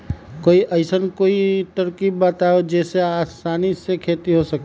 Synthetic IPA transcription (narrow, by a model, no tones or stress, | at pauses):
koːiʔɐɪsənkoːit̪əɾkiːbːaːt̪aːod͡ʒɛːseaːst̪aːnisekʰeːt̪iɦosɐk